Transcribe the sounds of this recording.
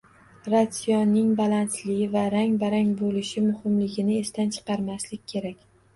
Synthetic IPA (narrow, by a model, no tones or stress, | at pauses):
ɾat̪sijɒnːɪŋbalˠant̪lɪɡʲvaɾaŋbaɾaŋbolɪʃɪmʊhɪmlɪɡʲɪnɪest̪ant͡ʃʰɨ̥qɑɾmaslɪkʲːʰe̞ɾakʲ